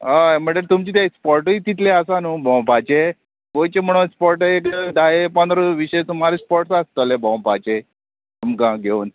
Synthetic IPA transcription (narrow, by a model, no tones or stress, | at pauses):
am̤əɳʈəɾt̪umt͡ɕiːt̪jaspɔɾʈit̪it̪ʰleasanuːbɔ̃w̃pat͡ɕe | kojt͡ɕem̤əɽ̃õspɔɾʈekd̪aepə̃nd̪ɾoʋiɕet͡sumaɾespɔɾʈsast̪əlebɔ̃w̃pat͡ɕe | t̪umkãɡʱeun